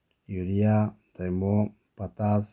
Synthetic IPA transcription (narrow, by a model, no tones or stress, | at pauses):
juɾiat̪aimo | pat̪as